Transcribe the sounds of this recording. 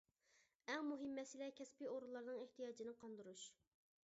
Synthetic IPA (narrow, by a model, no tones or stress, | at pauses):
ɛŋmuɦɪmːɛsilɛkʲʰɛspioɾulˠːɑɾnɨŋeht̪ijɑːd͡ʒinɨqʰɑnd̪ɨɾuʃ